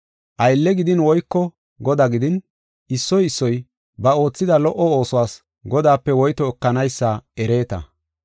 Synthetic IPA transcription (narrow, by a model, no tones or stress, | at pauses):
ʔɐjlːɛɡɪd̪ɪnwɔjkːɔ | ɡɔd̪aɡɪd̪ɪn | ɪsːɔjɪsːɔj | bɐo̞ːt͡sːɪd̪ɐlɔʔɔo̞ːsɔwaːs | ɡɔd̪aːpːɛwɔjt̪ɔɛkːɐnɐjsːaɛɾe̞ːt̪ɐ̰